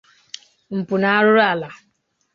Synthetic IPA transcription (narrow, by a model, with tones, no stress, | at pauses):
m̩˨pʊ˨na˨a˦ɾʊ˦ɾa˨la˨